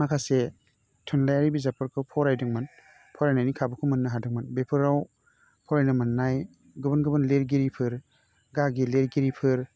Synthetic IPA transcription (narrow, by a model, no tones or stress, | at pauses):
makʰase | tʰɯnlajaɾibizapʰɯɾkʰɯpʰɔɾajdɯŋmɯn | pʰɔɾajnajnikʰabɯkʰɯmɯnːɯɦadɯŋmɯnbepʰɯɾaw | pʰɔɾajnɯmɯnːaj | ɡɯbɯnɡɯbɯnleɾɡiɾipʰɯɾ | ɡaɡileɾɡiɾipʰɯɾ